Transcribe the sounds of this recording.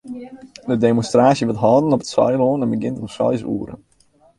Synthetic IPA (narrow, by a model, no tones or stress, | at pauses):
dədemɔnstraːsjəʋətɦɑːdənɔpə̥tsɔ̰jloːnɛnbəɡɪntənsɔ̰jsṵəɾə̰n